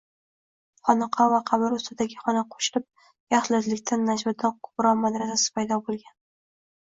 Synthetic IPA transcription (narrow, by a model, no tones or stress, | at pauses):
χɒnɑqʰɒvaqʰɑbɪɾʊst̪ɪd̪aɡʲɪχɒnaqʰo̥ʃɪlɪp̚ | jɑχlazlɪkʲt̪ʰanːad͡ʒmʊd̪ankʰʊ̥pɾɒmad̪ɾas̬asɪ̥pʰajd̪ɒbolˠɡʲan